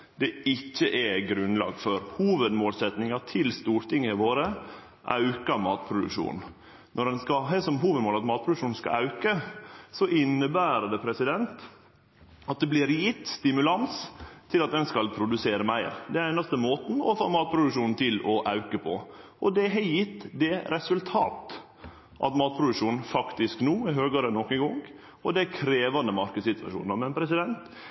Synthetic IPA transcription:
d̪̥ɛɪçːəʔɛɡɾʉnlɑ̰ːɡfɔɾhuːʋəd̪moːlsɛt̪nɪŋɑʈ̪ʰɪlst̪uːɾʈ̪ɪŋːəɪʋoːɾə | ʔɑ̰ʉkəɾmɑːt̪̚pʰɾʊd̪ʉ̰kʂṵːnn̩ | nʔɔɾɛnskɑɦɛsɔmɦuːʋəd̪moːlɑt̪mɑːt̪̚pʰɾʊd̪ʉkʂuːnn̩skɑ̰ɑʉkəsɔʔɪnːəbæːɾəd̪ɛpʰɾɛsɪd̪ɛnt̪ | ɑt̪̚d̪ɛblɪɾlɪːt̪st̪ɪmʉlɑnst̪ʰɪlɑt̪̚d̪ɛnskɑlpʰɾʊd̪ʉseːɾəmæɪɾd̪ɛæɾæɪnɑst̪əmoːt̪n̩ɔfo̰ːmɑːt̪̚pʰɾʊd̪ʉkʂuːnn̩t̪ʰɪlɔʔɑʉkəpʰɔ | ɔd̪ɛɦɛjɪt̪ːd̪ɛɾɛsʉlt̪ʰɑ̰ːt̪ | ʔɑ̰t̪mɑːt̪̚pʰɾʊd̪ʉkʂuːnn̩fɑkt̪ɪsknuːæhøːɡəɾənɔkːɛɡɔŋ | ɔd̪ɛkʰɾeːʋɑnd̪əmɑɾkəd̪sɪt̪ʋɑ̰ʂṵːnəmɛnpʰɾɛsɪd̪ɛnt̪

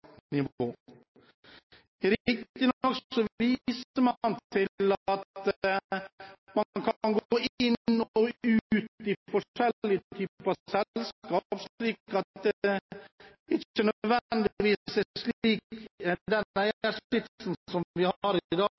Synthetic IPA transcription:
nɪʋoː | ɾɪk̚t̪ɪnɔksɔʋiːsəɾmɑnt̪ʰɪlɑt̪ | mɑnnkʰɑnɡoːʔɪnːɔʉːʉːt̪ɪfɔʂɛlːɪt̪ʰyːpɑsɛlskɑːpʂliːkɑt̪̚d̪ɛ | ɪçənœd̪ʋɛnd̪ɪʋiːsɛʂliːkd̪ɛnæɪəʂɪt̪snsɔmʋɪhɑɾɪd̪ɑːɡ

